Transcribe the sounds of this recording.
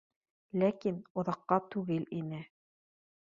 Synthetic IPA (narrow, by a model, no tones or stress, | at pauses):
lækinŏðɑqːɑt̪ʉɡɘlinɘ